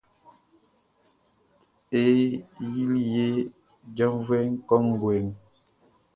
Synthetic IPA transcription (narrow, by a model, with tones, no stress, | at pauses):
e˦ji˦li˦je˦ | d͡ʒə˦mvwɛ˦ŋ̩˦kɔ˦ŋ˨ɡwe˨ŋ